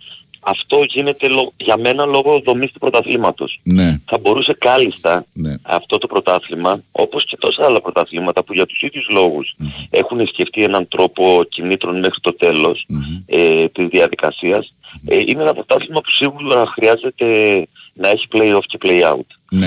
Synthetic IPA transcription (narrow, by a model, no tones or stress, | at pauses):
ɐft̪o̞ʝine̞t̪e̞lo̞ɣʝɐme̞nɐlo̞ɣo̞ðo̞mist̪upɾo̞t̪ɐθlimɐt̪o̞̰snθɐbo̞ɾuse̞kɐlist̪ɐnɐ̰ft̪o̞t̪opɾo̞t̪ɐθlimɐo̞̰po̞sce̞t̪o̞sɐːlɐpɾo̞t̪ɐθlimɐt̪ɐpuʝɐt̪u̥siðʝuzlo̞ɣuse̞xunisce̞ft̪ie̞nɐnt̪ɾo̞po̞cinit̪ɾo̞nme̞xɾit̪o̞t̪e̞lo̞set̪izðiɐðikɐ̰siɐsḭneenɐpɾo̞t̪ɐθlimɐpu̥siɣulɐxɾiɐze̞t̪e̞nɐe̞çi̥pleio̞fce̞pleiɐ̰ṵt̪ | n